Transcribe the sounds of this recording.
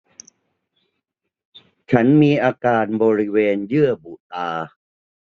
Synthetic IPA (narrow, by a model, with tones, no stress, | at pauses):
t͡ɕʰa˦˥nmiː˧ʔaː˧kaː˧nbɔː˧ɾi˦˥weː˧njɯ˥˩ɐbu˨˩t̪aː˧